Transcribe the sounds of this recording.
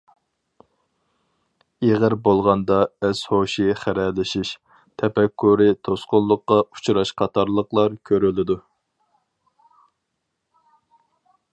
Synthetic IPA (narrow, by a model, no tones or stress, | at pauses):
eʁəɾbolˠʁɑnd̪ɑɛshoʃiχæɾɛlɪʃiʃ | t̪ʰɛpɛkʰːuɾɪt̪ʰosqʊnlˠːʊqːɑu̥t͡ʃʰɾɑʃqʰɑt̪ʰɑɾlˠəqlˠɑɾkʲʰøɾylɪd̪u